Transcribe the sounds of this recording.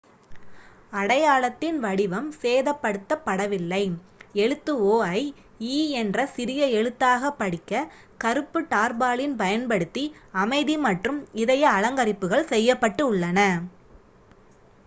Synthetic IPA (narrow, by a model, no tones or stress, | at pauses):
ɐɽɐjaːɭɐt̪ːɪnʋɐɽɪʋɐmseːðɐpːɐɽɯt̪ːɐpːɐɽɐʋɪlːɐɪɛɻɯt̪ːɯoːɐɪ | iːɛndrɐsɪɾɪjɐɛɻɯt̪ːaːɣɐpːɐɽɪkːɐ | kɐɾɯpːɯʈaːɾbaːɭɪnpɐjɐnpɐɽɯt̪ːiɐmɐɪðimɐʈrɯmɪðɐjɐːɻɐŋɡɐɾɪpːɯɣɐɭsɛjːɐpːɐʈːɯʊɭːɐnɐ